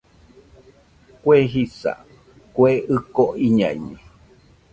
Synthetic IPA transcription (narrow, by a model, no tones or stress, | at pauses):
kweɦisa̰ | kweɨkoʔiɲã̰iɲĩ